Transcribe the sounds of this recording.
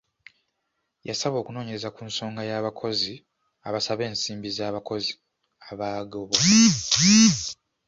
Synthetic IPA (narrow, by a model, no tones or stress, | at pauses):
jasaβo̞ːkuno̞ːɲee̞zakunso̞ːŋɡajaːβakʰo̞zi | aβasaβe̞ːnsiːmbizaːβako̞zi | aβaːɡoβoiviv